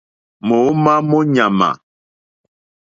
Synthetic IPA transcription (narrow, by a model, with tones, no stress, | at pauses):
mo˨˦ma˦mɔ˦ɲa˨ma̰˨